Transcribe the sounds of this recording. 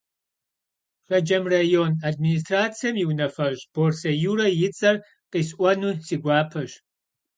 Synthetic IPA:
fɐd͡ʒɐmrajonadminis̬traːt͡sʰijɐmiwnɐfɐʒb̥orsɐjuːɾɐjɪt͡sʼɐr | qisʔʷɐnuːsiɡʷaːpʰɐʃ

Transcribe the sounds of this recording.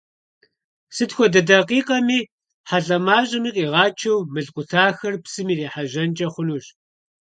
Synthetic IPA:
sɨtxʷɔdɐdɐqiːqʼɐmiː | ħaɮʼɐmaːɕʼɪmiːqʼiːʁɑːt͡ʃʰɐwmɨɮqʷʼʊtʰaːxɐrpsɨmiːreːħaʒɐnt͡ʃʼɐχʷʊnuːɕ

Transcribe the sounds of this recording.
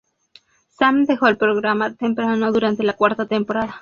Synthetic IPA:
samd̪exoelpɾoɣɾamat̪empɾanoðuɾant̪e̞lakwaɾt̪at̪empoɾaða

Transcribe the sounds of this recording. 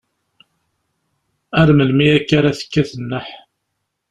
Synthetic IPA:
æɾməlmiækːaɾaθə̥kːæθənːəħ

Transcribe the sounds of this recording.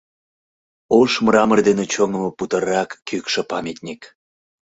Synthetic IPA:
oʃmrɑmərd̪enet͡ɕoŋəməput̪əɾɑkːykʃĕpɑmʲit̪ʲnʲik

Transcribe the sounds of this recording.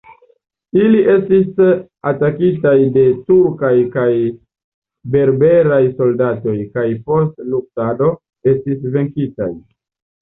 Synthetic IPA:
iliʔe̞stis | atakitajde̞tuɾkajkaj | be̞ɾbe̞ɾajso̞ldato̞jkajpo̞stluk̚tado̞ | e̞stis̬ve̞ŋkita̰j

